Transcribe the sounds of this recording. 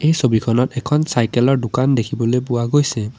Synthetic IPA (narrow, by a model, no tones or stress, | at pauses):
ejsobikʰɔnɔtɛkʰɔnsajkɛlɔɹdʊkandekʰibɔlojpʊwaɡojsɛ